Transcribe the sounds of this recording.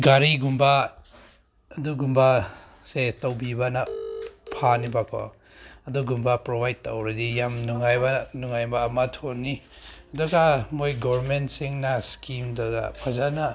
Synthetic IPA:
ɡaɾiɡumba | duɡumba | setawbibanapʰanibakʰɔ̰ | ɐduɡumbapɾobajd̚tawɾadijamnuŋajbanuŋajbaːmatʰonːi | ɐduɡamojɡɔɾmentsiŋnaskimdaɡa̰pʰazana

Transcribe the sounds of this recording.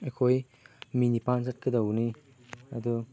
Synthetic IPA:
ekʰoj | minipanzɐt̚kɐdɐwni | ɐ̰du

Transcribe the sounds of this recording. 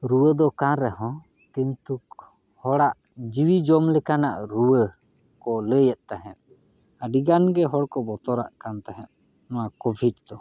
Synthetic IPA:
ɾuwəd̪ɔkaɾɛɦɔ̃ | kint̪uk̚ | hɔɽaʔ | d͡ʒiwid͡ʒɔmlɛkanaʔɾuwə | kɔləjət̪̚t̪aɦɛt̪̚ | əɖiɡanɡɛɦɔɽkɔbɔt̪ɔɾa̰ʔkant̪aɦɛt̪̚ | nɔwakɔbʱiɖ̚d̪ɔ

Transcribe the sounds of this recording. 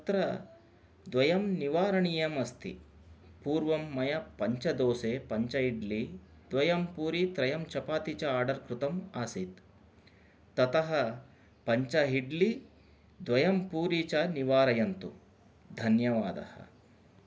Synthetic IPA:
t̪ɾɐ | d̪ʋɐjɐmniʋaːɾɐɳijɐmɐst̪ʰḭ | puːɾʋɐmːɐjɐpɐɲt͡ʃɐd̪oːseːpɐɲt͡ʃɐɦiɖli | d̪̥ʋɐjɐmpuːɾit̪ɾɐjɐmt͡ʃɐpaːt̪it͡ʃɐaːɾɖɐɾkɾut̪ɐmaːsit̪ | ɐt̪ɐɦɐ | pɐɲt͡ʃɐɦiɖli | d̪ʋɐjɐmpuːɾiːt͡ʃɐniʋaːɾɐjɐnt̪u | d̪ʱɐnjɐʋaːd̪ɐ̰hɐ̰̆

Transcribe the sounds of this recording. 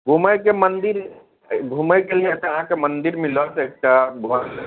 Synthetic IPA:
ɡʱuməjkemənd̪iɾ | ɡʱuməjkeliet̪əɦãkemənd̪iɾmilɔt̪eek̚ʈabʱua

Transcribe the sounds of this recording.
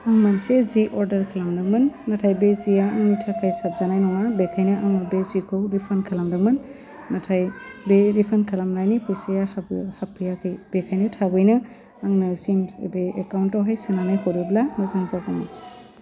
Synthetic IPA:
aŋmanseziʔɔɾdɐɾkʰalamnɯmɯnːatʰajbezijaaŋnitʰakʰajsap̚zanajnɔŋabekʰajnɯʔaŋnɯbezikʰɯwdipʰankʰalamdɯmɯnː | atʰajbeɾipʰankʰalamnajnipʰɯjsejahhapʰɯjakʰɯjb̥ekʰajnɯtʰabɯjnɯ | aŋnɯsimbeekawntawɦajsɯnanɯjhoɾiblanɔzaŋzabana

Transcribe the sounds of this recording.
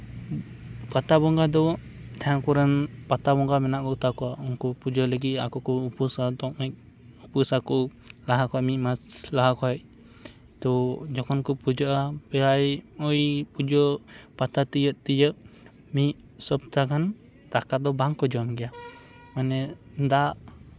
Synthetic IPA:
pat̪abɔŋɡad̪ɔ | t̪aaŋkuɾənpat̪abɔŋɡamɛnaʔkɔt̪akuaɔŋkupud͡ʒɔləɡiakukuupusat̪ɔʔmɛk̚ | upusaku | laɦakɔaʔmiʔmaslaɦakɔɛʔ | t̪ɔd͡ʒɔkɔnkupud͡ʒɔʔapɛlajɔjpud͡ʒɔpat̪at̪ijəʔt̪ijəʔ | miʔ | sɔp̚t̪aɡan | t̪akat̪̚d̪ɔbaŋkɔd͡ʒamɡia | manɛnd̪aʔ

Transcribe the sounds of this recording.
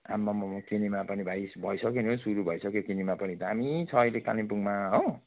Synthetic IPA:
a̰mːʌmʌmkenimapʌnibʱajsbʱʌjsʌkenõsuɾubʱʌjsʌkjokinimapʌnit̪aamit͡sʰʌːjleka̰lipuŋmaɦo

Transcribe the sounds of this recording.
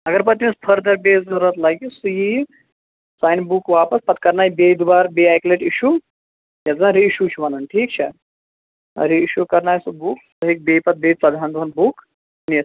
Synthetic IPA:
ɐɡəɾp̬ət̪mispʰəɾd̪ʱəɾbed͡zəɾət̪laɡisuji | sajnbukʋapəspɐt̪kɐɾnajbed̪ubaɾbeajkleʈiɕu | jad͡zãɾeiɕuɕuʋananʈʰiːkt͡ʃʰa | ɐ̰ɾiiɕukɐɾnaːjsubuːksuɦek̚bepɐt̪̚bet͡sad̪ʱand̪uanbuk | nis

